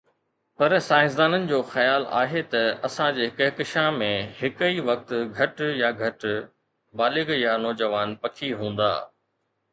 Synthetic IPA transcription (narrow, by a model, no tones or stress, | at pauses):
pɐɾsaːɪs̬d̪aːnənɪ̆d͡ʑoːxɐjaːla̰ːɦet̪ɐɐsãd͡ʑeːɪkəɦkɪʃamẽhɪkiʋɐk̚t̪ɡʱɐʈjaɡʱɐʈ | baːlɪɡjanoːd͡ʑəʋaːnpɐkʰiɦũːn̆d̪a̰ː